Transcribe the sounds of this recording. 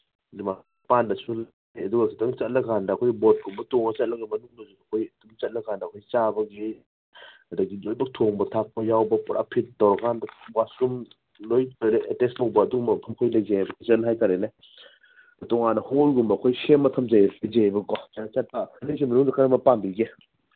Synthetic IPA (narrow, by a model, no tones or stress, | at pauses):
lima | pandɐsul | ɐduɡɐkʰitʰɐŋt͡ʃɐt̚lɐɡandɐːkʰojbot̚ɡumbɐtoŋɐt͡ʃɐt̚lɐɡimɐnuŋnɐzuɐkʰojɐd̥umt͡ʃɐt̚lɐɡandɐɐkʰojt͡ʃabɐɡi | ɐdɐɡilojbɐk̚tʰoŋbɐtʰak̚pɐjawbɐpɔɾa̰pʰit̚dɔwɾɐɡʰandɐwasum | lojtɾeetestɐwbɐːdumɐpʰɐkʰojlɐjɡebɐizɐnɦajtaɾene | tɔŋanɐholɡumbɐːkʰojsemːɐtʰɐmzajsad͡ʒebɐɡɔt͡ʃanɐt͡ʃɐt̚pakʰɐnis̬imɐnuŋdɐkʰaɾɐmɐpambiɡe